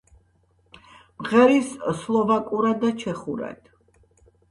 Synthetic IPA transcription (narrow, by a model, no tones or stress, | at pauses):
mʁɛɾisslˠɔvakʼuɾad̪at͡ʃʰɛχuɾɛ̰d̪̥